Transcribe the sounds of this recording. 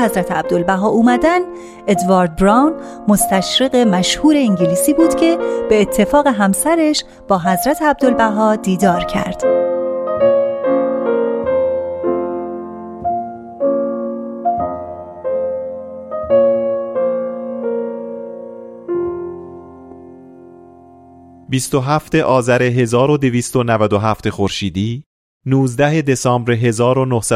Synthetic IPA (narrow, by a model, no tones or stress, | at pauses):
hæzɾæt̪ʰeæb̚d̪olbæɦɒːʔuːmæd̪æn | e̞d̪vɒːɾd̪̚bɾɑːwn | mo̞st̪æʃɾeɣemæʃhuːɾe̞iŋɟiliːsiːbuːd̪̥cʰe̞b̥e̞ːt̪ʰːe̞fɒːɣe̞ɦæmsæɾeʃ | b̥ɒːɦæzɾæt̪ʰeæb̚d̪o̞lbæɦɒːd̪iːd̪ɒːɾcʰæ̰ɾd̪̥ | bist̪oɦæft̪e̞ʔɒːzæɾe̞ɦe̞zɒːɾod̪eviːst̪o̞nævæd̪oɦæft̪e̞xoɾʃiːd̪iː | nuːzd̪æɦe̞d̪e̞sɒːmbɾeɦe̞zɒːɾonohsæ